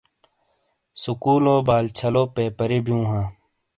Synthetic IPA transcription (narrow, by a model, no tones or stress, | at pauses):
sukuːloːbaːlt͡ɕʰɐloːpeːpəɾebijũːɦãː